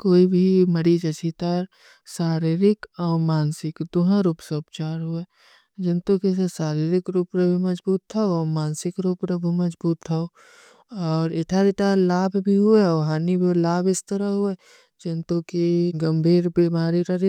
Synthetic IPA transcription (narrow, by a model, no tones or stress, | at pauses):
koːibʱiməɽid͡ʒət͡ʃit̪aːɾ | saːɾiɾɪkɔːmaːnsɪkd̪ʊɦãɾuːpseʊpt͡ʃaːɾɦʊe | d͡ʒɪnt̪õkesesaːɾiɾɪkɾuːpɾəbʱumɐd͡ʒbuːt̪ʰːaoɔːmaːnsɪkɾuːpɾəbʱumɐd͡ʒbuːt̪ʰːao | ɔːɾɪʈʰaːɾit̪alaːbʱbʱiɦʊeːɦaːnibʱolaːbɪst̪əɾəɦʊe | d͡ʒɪnt̪õkiɡə̃mbʱiːɾbimaːɾiɾaɾi